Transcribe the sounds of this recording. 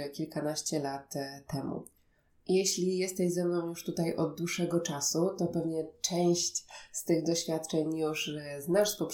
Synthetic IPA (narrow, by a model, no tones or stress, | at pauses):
kʲilkanaɕt͡ɕɛlat̪ʰːɛmṵ | jɛɕlʲijɛst̪ɛʑzɛmnɔ̃w̃juʂt̪ut̪ajʔɔd̪̚d̪wuʂɛɡɔt͡ʂasut̪ɔpɛvɲɛt͡ʂɛw̃ɕt͡ɕst̪ɘɣd̪ɔɕfʲjat̪̚t͡ʂɛɲjuʂznaʂpɔp